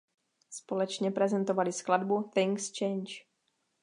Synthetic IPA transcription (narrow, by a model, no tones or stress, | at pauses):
spo̞lɛt͡ʃɲɛpɾɛzɛnt̪ovalɪskladbuθɪŋkst͡ʃɛjnt͡ʃ